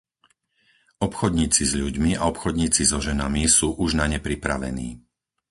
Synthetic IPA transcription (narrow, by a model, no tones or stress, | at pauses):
ɔpxɔd̪ɲiːt͡sizʎuɟmiaɔpxɔd̪ɲiːt͡sizɔʒɛnamisuːʔuʒnaɲɛpɾipɾa̰ʋɛ̰nḭː